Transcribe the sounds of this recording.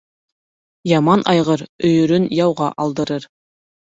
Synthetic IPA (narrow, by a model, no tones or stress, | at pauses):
jɑmɑnʔɑjʁɤɾɵ̆jɵ̆ɾɵnjɑwʁɑʔɑlˠd̪ɤ̆ɾɤɾ